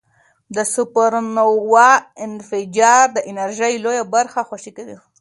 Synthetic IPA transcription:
d̪əsʊpaɾnowɑɪnfɪd͡ʒɑɾd̪əʔɪnaɾʒəjlojabaɾxaxwaʃikawi

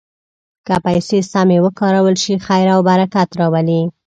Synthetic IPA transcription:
kəpajsesamewəkɑɾawəlʃixajɾawbaɾakat̪ɾɑwali

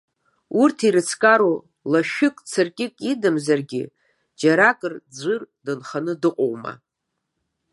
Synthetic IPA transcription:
urtʰiɾɨt͡sʰkʼaɾo | laʃᶣɪkʼt͡sʰɨrkʲʼɪkʼidɨmzarɡʲɪ̰ | d͡ʒaɾakʼɨrd͡zʷɨrdɨnχanɨdɨqʼowma̰

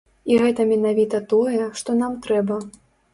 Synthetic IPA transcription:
iɣɛt̪ɐmʲɛnavʲit̪ɐt̪ɔjɛʂt̪ɔnamt̪ɾɛbɐ

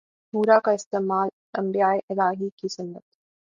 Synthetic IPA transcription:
huːɾakaɪst̪eːmaːl | ɐ̃mbijaːeʔɪlaːɦikisʊnːə̰t̪

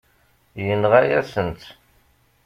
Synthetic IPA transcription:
jənʁajæsənt̪

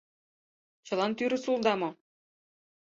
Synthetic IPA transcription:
ɕɤ̆lˠɑnt̪yɾɘ̆sulˠd̪ɑmo

